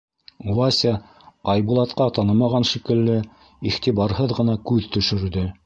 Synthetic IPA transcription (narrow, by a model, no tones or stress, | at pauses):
uwɑsʲa | ɑjbulˠɑt̪qɑt̪ɑnɤmɑʁɑnʃikɘ̆lːɘ | iχt̪iβɑɾɦɤðʁɤ̆nɑkʉðt̪ɵ̆ʃɵ̆ɾd̪ɵ